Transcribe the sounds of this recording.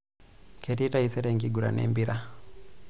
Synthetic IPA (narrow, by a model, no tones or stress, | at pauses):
kʰetitaisɛɾɛŋɡiɡuɾa̰nɛ̰mbiɾa